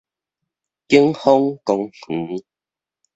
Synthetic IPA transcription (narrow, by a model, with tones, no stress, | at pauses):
ki˦ə˦ŋhɔ˦ŋkɔ˧ŋh̩˨˦